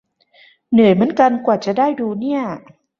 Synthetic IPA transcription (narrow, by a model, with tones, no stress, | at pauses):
nɯ˨˩˦jmɯ˩˦ənka˧nkwaː˨˩t͡ɕa˨˩daː˥˩jduː˧ni˥˩ɐ